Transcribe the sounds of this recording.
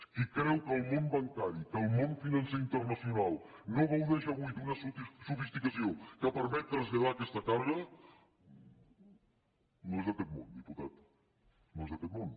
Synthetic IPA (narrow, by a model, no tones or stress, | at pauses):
ikɾɛwkəlˠmombɐŋkaɾikəlˠmonfinɐnseɾint̪ərnəsjunalˠnoβowðɛʃəβujd̪unəssufist̪ikəsiokəpəɾmɛt̪̚ːɾəzʎəðakɛst̪ək̪aɾðə | noezðəkɛt̪̚mond̪iput̪at̪ | noezðəkɛt̪mon